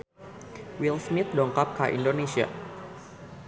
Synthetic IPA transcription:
wilsmit̪̚dɔŋkap̚kaʔḭndonesia̰

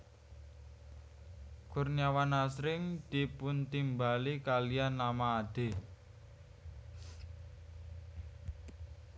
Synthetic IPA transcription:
kʊrnawanasɾɪŋd̪̥ipʊnt̪imbalikalianːamaːd̪̥e̤

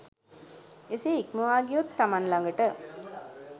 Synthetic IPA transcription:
eseikməʋaːɡijot̪ːamanlaŋɡəʈə

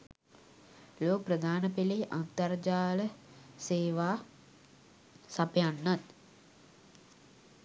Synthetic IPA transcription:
loːkprəd̪ʱaːnəpeleʔant̪ard͡ʒaːləseːʋaː | sapəjanːat̪

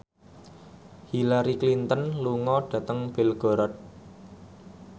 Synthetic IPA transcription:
hilaɾiklint̪ənluŋɔɖ̥ä̤t̪əŋb̥ɪlɡ̥ɔ̤ɾɔt̪̚

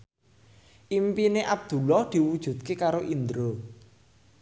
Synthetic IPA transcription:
ʔimpineʔab̚d̪̥ṳlɔhd̪̥i̤wud̥ʒ̥ṳt̪̚kekaɾoʔind̪ɾo

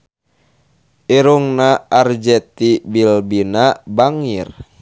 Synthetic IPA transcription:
ʔiɾuŋnaard͡ʒɛt̪ibilbinabaŋir

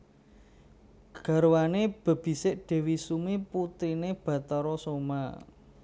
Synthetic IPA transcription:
ɡ̥a̤ɾuwaneb̥ə̤b̥i̤sɪʔɖ̥ɛ̤wisumiput̪ɾineb̥ä̤t̪əɾɔsoma̰

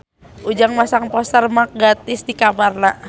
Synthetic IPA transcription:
ud͡ʒaŋmasaŋpɔsərmak̚ɡat̪ɪsdikamarna

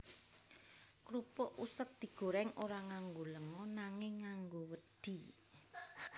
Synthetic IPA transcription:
kɾupɔʔusək̚d̪̥i̤ɡ̥o̤ɾɛŋʔoɾaŋaŋɡoləŋɔnaŋɪŋːaŋɡowəd̪̥i̤

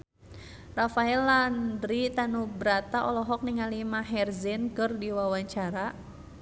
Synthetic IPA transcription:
rafaɛlːandɾit̪anubɾat̪aʔɔlɔɦɔk̚niŋalimaɦɛrzɛnkərdiwawaɲt͡ʃaɾa

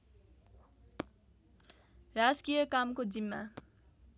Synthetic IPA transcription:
raskijʌkamkod͡zimːa̰

